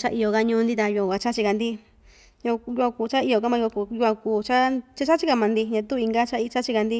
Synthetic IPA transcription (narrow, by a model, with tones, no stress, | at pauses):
t͡ʃa˦ʔi˧o˧˨ka˧ɲũː˧˦nd̪i˦t̪a˧ju˧a˧˨a˧t͡ʃa˦t͡ʃi˧ka˧nd̪i˦ | ɲũ˧ju˧a˧kuː˧˨t͡ʃa˦i˧o˧ka˦mã˧u˧ju˧a˧kuː˧t͡ʃa˦t͡ʃa˦t͡ʃa˦t͡ʃi˦˧ka˧mã˨˧nd̪i˧ɲã˧t̪u˦˧i˧ŋɡa˦t͡ʃa˦i˧t͡ʃa˦t͡ʃi˧ka˧nd̪i˦